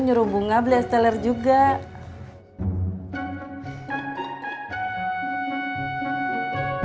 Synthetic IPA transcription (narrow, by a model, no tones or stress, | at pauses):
ɲuɾubuŋabliast̪ɛlɛrd͡ʒuɡa